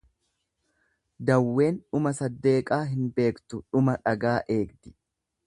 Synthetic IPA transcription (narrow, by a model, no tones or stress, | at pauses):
d̪ɐwːe̞ːnᶑʊmɐsɐd̪ːe̞ːkʼaːɦɪnbe̞ːkt̪ʊᶑʊmɐᶑɐɡaːʔe̞ːɡd̪ɪ̥